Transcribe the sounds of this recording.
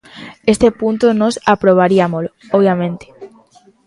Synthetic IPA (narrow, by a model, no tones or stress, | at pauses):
est̪epunt̪onosapɾoβ̞aɾiamolooβ̞jamẽnt̪e̥